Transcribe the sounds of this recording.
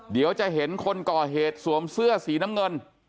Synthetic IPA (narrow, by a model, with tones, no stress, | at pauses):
di˩˦əwt͡ɕa˨˩ɦe˩˦nkʰo˧nkɔː˨˩ɦeː˨˩t̪̚su˨˩˦əmsɯ˥˩ɐsiː˨˩˦na˦˥mŋɤ˧n